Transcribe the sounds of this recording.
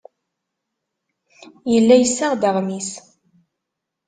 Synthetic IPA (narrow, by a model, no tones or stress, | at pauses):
jəlːæjəsːaʁd̪əʁmis